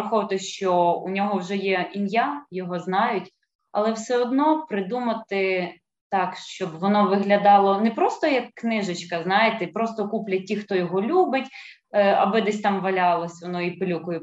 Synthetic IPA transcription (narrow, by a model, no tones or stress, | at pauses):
ɐxɔʋɐt̪ɪʃt͡ʃɔṵnʲɔɦɔwʒɛjɛinʲjajɔɦɔznɑjʊtʲ | ɐlˠɛwsɛɔd̪nɔpɾɪd̪umɐt̪ɪ | t̪ɑkʃt͡ʃɔbʋɔnɔʋɪɦlʲɐd̪ɑlˠɔnɛpɾɔst̪ɔjɐkːnɪʒɪt͡ʃkɐznɑjet̪ɛpɾɔst̪ɔkuplʲɐtʲːixt̪ɔjɔɦɔlʲubɪtʲ | ɐ̰bɪd̪ɛsʲt̪ɑmʋɐlʲɑlˠɔsʲʋɔnɔipɪlʲukʊjɛ